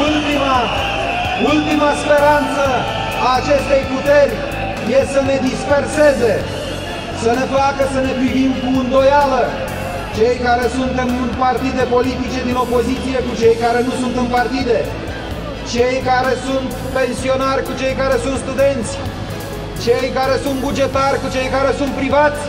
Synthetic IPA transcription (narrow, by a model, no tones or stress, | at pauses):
ult̪ima | ult̪imaspe̞ɾant̪sə | aːt͡ʃe̞st̪e̞jput̪e̞rʲ | jesəne̞d̪ispe̞rse̞ze̞ | səne̞fakəsəne̞pɾivimkuɨnd̪o̞jalə | t͡ʃe̞jkaɾe̞sunt̪ɨnɨnpart̪id̪e̞po̞lit̪it͡ʃe̞d̪ino̞po̞zit̪sije̞kut͡ʃe̞jkaɾe̞nusunt̪ɨnpart̪id̪e̞ | t͡ʃe̞jkaɾe̞sunt̪pe̞nsio̞narʲkut͡ʃe̞jkaɾe̞sunt̪st̪ud̪e̞nt̪sʲ | t͡ʃe̞jkaɾe̞sunt̪̚bud͡ʒe̞t̪arʲkut͡ʃe̞jkaɾe̞sunt̪̚pɾivat̪sʲ